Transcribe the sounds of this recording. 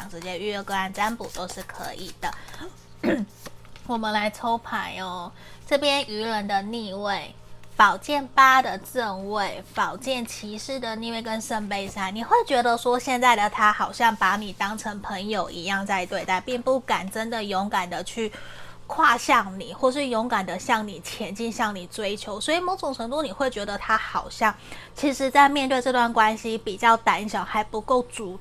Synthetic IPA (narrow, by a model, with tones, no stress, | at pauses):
ɑ˨˩ŋʈ͡ʂɻ̩˧˥t͡ɕjɛ˥ny˥˧ɛ˥˩kɤ˥˧a˥˧˩nt͡sa˥npu˨˩t̪o˥ʊʂɻ̩˥˩kʰɤ̰˧˥ʔi˨˩d̪̥ə˦ | wɔ˨˩mə˨˦nla˧˥ɪt͡sʰo˥ʊpʰa˨˥˦ɪɔ˦ | ʈ͡ʂɤ˥˩pjɛ˥ny˧˥lə˧˥nd̪ə˧ni˥˧we˥˩ɪ | pɑ˨˩ʊt͡ɕjɛ˥˩npa˥d̪ə˨ʈ͡ʂə˥˧ŋwe˥˩ɪpɑ˨˩ʊt͡ɕjɛ˥˩nt͡ɕʰi˧˥ʂɻ̩˥˩d̪ə˨ni˥˧we˥˩ɪkə˦˥nʂə˥˧ŋpe˥˧ɪʂa˥˩nni˨˩xwe˥˩ɪt͡ɕɥɛ˧˥d̪ə˨ʂwɔ˥ɕjɛ˥˧nt͡sa˥˩ɪd̪ə˩t̪ʰa˥xɑ˨˩ʊɕjɑ˥˩ŋpa˧˥ni˨˩t̪ɑ˥ŋʈ͡ʂʰə˧˥ŋpʰə˧˥ŋjo˨˩ʊʔḭ˧˥jɑ˥˧ŋt͡sa˥˧ɪt̪we˥˧ɪt̪a˥˧ɪpi˥˧ŋpu˥˩ka˨˩nʈ͡ʂə˦nd̪ə˨jʊ˧˥ŋka˨˩nd̪ə˩t͡ɕʰy˥˩kʰwa˥˧ɕjɑ˥˩ŋni˨˩xwɔ˥˧˩ʂ̬ɻ̩˥˩jo˧˥ŋka˨˩nd̪ə˨ɕjɑ˥˩ŋni˨˩t͡ɕʰjɛ˧˥nt͡ɕi˥˧nɕjɑ˥˩ŋni˨˩t͡swe˥ɪt͡ɕʰjo˧˥ʊswɔ˧˥i˨˩mo˧˥ʊʈ͡ʂʊ˨˩ŋʈ͡ʂʰɤ˧˥ŋt̪u˥˧ni˨˩xwe˥˩ɪt͡ɕɥɛ˧˥d̪ə˧t̪ʰa˥xɑ˨˩ʊɕjɑ˥˩ŋ | t͡ɕʰi˧˥ʂɻ̩˧˥t͡sa˥˧ɪmjɛ˥˧nt̪we˥˧ʈ͡ʂɤ˥˧t̪wa˥˩nkwa˥nɕi˦pi˨˩t͡ɕjɑ˥˩ʊt̪a˧˩ni˥˧˩ɕjɑ˨˩ŋxa˧˥ɪpu˧˥ko˥˩ʊt͡su˨˥